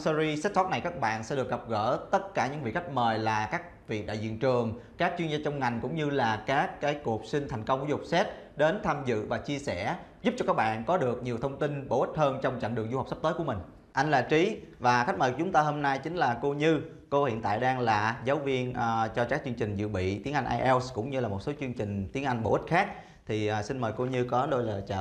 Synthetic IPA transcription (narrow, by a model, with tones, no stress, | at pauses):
sɔ˧zi˧sɛ˦˥t̚sɔ˦˥t̚na˨˩jkaː˦˥k̚ɓa̰ː˧˨nsɛ̰˧˥ɗɨ˨˩ək̚ɣə˨˩p̚ɣə̰ː˧˩t̪ə˦˥t̚kaː˧˩ɲɨ̰˧˥ŋvḭ˧˨kxa˦˥k̟̚məː˨˩jlaː˨˩kaː˦˥k̚vḭ˨˩k̚ɗa̰ː˧˨jzḭ˧˨ənt͡ɕɨ˨˩əŋkaː˦˥k̚t͡ɕwi˧nzaː˧t͡ɕɔ˧wŋ͡mŋa˨˩jŋ̟kʊ̰˧˥ŋ͡mɲɨ˧laː˨˩kaː˦˥kːaː˨˦jku˨˩ək̚sï˧ŋ̟t̪ʰa˨˩jŋ̟kə˧wŋ͡mkzʊ˨˩k͡p̚sɛ˦˥t̚ɗe˨˦nt̪ʰaː˧mzɨ̰˧˨vaː˨˩t͡ɕi˧əsɛ˧˩zʊ˦˥p̚t͡ɕɔ˧kaː˦˥k̚ɓa̰ː˧˨nkɔ˨˦ɗɨ˨˩ək̚ɲi˨˩əwt̪ʰə˧wŋ͡mt̪i˧nɓo̰˧˩ʔi˦˥t̟̚həː˧nt͡ɕɔ˧wŋ͡mt͡ɕa̰˧˨jŋ̟ɗəŋzu˧ɦwk͡pspt̪əː˨˦jku˧˩əmï˨˩ŋ̟ | ʔa˧jŋ̟laː˨˩t͡ɕi˨˦vaː˨˩xa˦˥t̚məː˨˩kt͡ɕʊ˨˦ŋ͡mt̪aː˧ɦo˧mna˧jt͡ɕï˨˦ŋ̟laː˨˩ko˧ɲɨ˧ | ko˧hḭ˧˨ənt̪a̰ː˧˨jɗaː˧ŋlaː˨˩zaː˨˦wvi˧ənʔt͡ɕɔ˧kaː˦˥k̚t͡ɕɨ˧əŋt͡ɕï˨˩ŋ̟zɨ̰˧˨ɓḭ˧˨t̪i˨˦əŋʔa˧ŋ̟ʔaː˧jʔɛ˧wskʊ̰˧˥ŋ͡mɲɨ˧laː˨˩mo˨˩t̚so˨˦t͡ɕɨ˧əŋt͡ɕï˨˩ŋ̟t̪i˨˦ənʔa˧jŋ̟ɓo̰˧˩˨ʔi˦˥t̚xaː˦˥k̚ | t̪ʰi˨˩ʔːsi˧nməː˨˩jko˧ɲɨ˧kɔ˨˦ɗo˧jlaː˨˩t͡ɕa̰ː˧˨